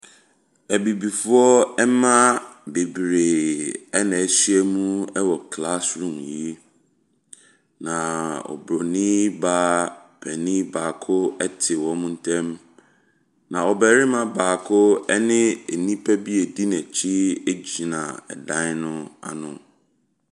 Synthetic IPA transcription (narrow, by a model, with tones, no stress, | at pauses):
æ˨bi˨bi˨fʊ˦ɔ˦ɛ˦mã˦be˨bɾe˨ɛ˦nã˨sɥɛ˦mũ˦ɛ˦wɔ˨kʰla˦sɾũ˨mji˦ | nã˨ɔ̰˨bɾɔ˨nĩ˦ba˦pʰɛ˨nĩ˦baː˨kʰʊ˦ɛ˦tʰɪ˨wɔ̃˨˦mũ˦n̩˦tʰɛ̃˦m | nã˨ɔ˨bɛ˨ɾɪ˦mã˦baː˨kʰʊ˦ɛ˦nɪ̃˦e˨nĩ˦pʰɛ˦bi˦e˨di˦nɛ̃˨t͡ɕʰi˦e˦d͡ʑi˨nã˨ɛ̰˨dã˦n˦nʊ̃˦a̰˨nʊ̰̃˨